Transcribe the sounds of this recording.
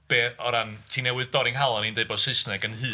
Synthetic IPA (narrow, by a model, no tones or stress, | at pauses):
b̥eːɔɾantʰinɛwɨðd̥ɔɾɪŋɦalˠɔnindeɨbɔsɪsnɛɡənhɨː